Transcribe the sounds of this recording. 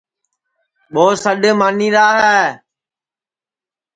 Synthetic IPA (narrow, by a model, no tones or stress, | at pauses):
ɓoːsəɗmaːnĩːɾaːɦɛː